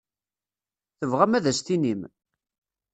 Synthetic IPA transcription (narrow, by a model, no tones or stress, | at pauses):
θəvʁæmæðæst̪inim